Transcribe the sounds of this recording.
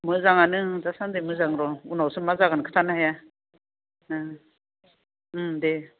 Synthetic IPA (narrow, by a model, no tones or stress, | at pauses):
mɯzaŋanɯdasand̪emɯzaŋɾɔunawsɯmazaɡankʰɯ̥t̪ʰanaɦaja | d̪e